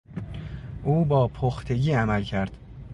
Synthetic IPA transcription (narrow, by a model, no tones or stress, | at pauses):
ʔuːbɒːpʰoxt̪ʰe̞ɟiːæmælcʰæɾd̪̥